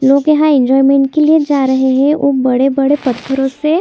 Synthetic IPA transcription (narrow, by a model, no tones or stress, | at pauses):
loːɡjɐɦãɛ̃ɲd͡ʒɔːimẽːɳʈkelied͡ʒaːɾɐɦeɦɛ̃ʊbɐɽebɐɽepɐt̪pʰəɾõse